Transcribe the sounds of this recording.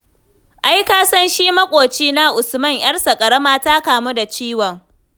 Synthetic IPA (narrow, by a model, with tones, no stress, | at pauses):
ʔa˦jkaː˦sɐ˦nʃiː˦mɐ˦kʷʼoː˨t͡ʃiː˦na˦ʔʊ˨smɐ˦˨ŋj̰ɐ˦rsa˨kʼɐ˨ɽɐ˦maː˦taː˦kaː˨mu˦da˨t͡ʃiː˦wɔ˨ŋ